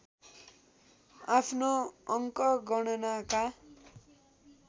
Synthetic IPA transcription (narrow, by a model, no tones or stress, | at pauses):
apʰnoʌŋkʌɡʌɽ̃ʌnaka